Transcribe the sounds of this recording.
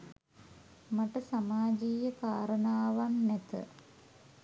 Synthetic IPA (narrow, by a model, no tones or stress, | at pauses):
mɐʈɐsamaːd͡ʒiːjɐkaːɾɐnaːʋamnet̪ə̰